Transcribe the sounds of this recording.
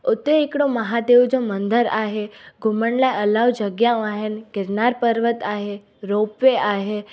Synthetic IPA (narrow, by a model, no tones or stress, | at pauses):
ʊt̪ːeekɽoməɦad̪eʋd͡ʒomə̃nd̪ʱəɾaɦeɡʱʊməɳlajəlaʋd͡ʒəɡjaũaɦenkɪɾnaɾpəɾʋət̪aːɦe | ɾopʋeʔaɦe